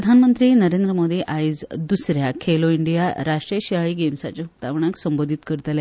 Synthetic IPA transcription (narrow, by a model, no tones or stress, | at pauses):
ɾəd̪ʱanmənt̪ɾiːnəɾend̪ɾəmod̪iːʔajd͡zd̪usɾjakʰeloiɳɖijaɾaʂʈɾijəɕiaɭiːɡemsat͡ɕeɦut̪aʋɳaksəmbod̪ʱit̪kəɾt̪le